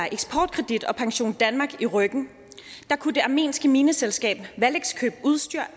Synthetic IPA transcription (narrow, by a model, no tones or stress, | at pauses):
ʔeɡ̥sbpʰɒːd̥kʰʁɛd̥id̥ɒ̽pʰɑ̈ŋɕo̝̰ːnd̥ænmɑ̈ːɡ̥iʁœɡ̥n̩ | d̥ɑ̈kʰude̝ʔɑ̈me̝̰ːnsɡ̥əmiːnəselsɡ̥ɛ̰ːb̥ʋæleɡ̥skʰø̰ːb̥uðˠsd̥yɐ̰